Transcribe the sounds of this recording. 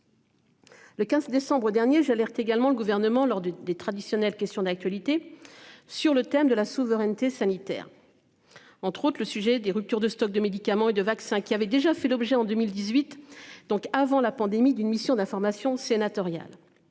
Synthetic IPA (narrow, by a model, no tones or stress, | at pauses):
ləkʲɛ̃zd̪esɑ̃bʁəd̪ɛʁnjeʒalɛʁt̪eɡalmɑ̃ləɡuvɛʁnəmɑ̃lɔʁd̪əd̪et̪χad̪isjɔnɛlkʲɛst̪jɔ̃d̪ak̚t̪ɥalit̪e | syʁlət̪ɛmd̪əlasuvəʁɛnt̪esanit̪ɛ̰ːʁ | ɑ̃t̪χot̪χləsyʒɛd̪eʁyp̚t̪yʁd̪əst̪ɔk̚d̪əmed̪ikamɑ̃ed̪əvaksɛ̃kʲiavɛd̪eʒafɛlɔbʒɛɑ̃d̪ømild̪izɥit̪d̪ɔ̃kavɑ̃lapɑ̃d̪emid̪ynmisjɔ̃d̪ɛ̃fɔʁmasjɔ̃senat̪ɔʁja̰l